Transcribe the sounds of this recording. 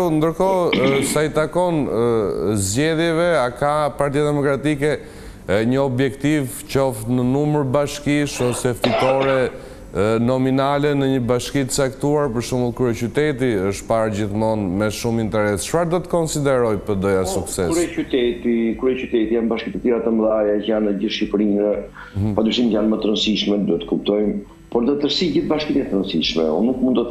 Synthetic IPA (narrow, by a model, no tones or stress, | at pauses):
nd̪əɾkɔsajt̪akɔn | zɟɛðjɛvɛakapaɾt̪̬ijad̪ɛmɔkɾat̪ikɛ | ɲəɔbjɛkt̪iv | t͡ɕɔft̪nənuməɾbaʃkiʃɔsɛfit̪ɔɾɛ | nɔminalɛnəɲəbaʃkit̪ə̥t͡sakt̪uaɾpəɾʃuməlˠkɾuɛcyt̪ɛt̪̬iəʃt̪paɾd͡ʑiθmɔnmɛʃumint̪ɛɾɛst͡ʃfaɾd̪ɔt̪ə̥kɔnsid̪ɛɾɔjpəd̪ɔjasuksɛsɛyt̪ɛt̪ikɾɛcyt̪ɛt̪ijanbaʃkit̪ət̪iɾat̪əmðajɛcanəɟiʃipɾinɛ | ad̪ɾiʃimjanmət̪əɾənsiʃmɛd̪uɛt̪ə̥kup̚t̪ɔjm | pɔɾd̪ət̪əɾsid͡ʑiθbaʃkit̪inɛt̪əɾənsiʃmɛ̰ṵnːukmund̪ɔ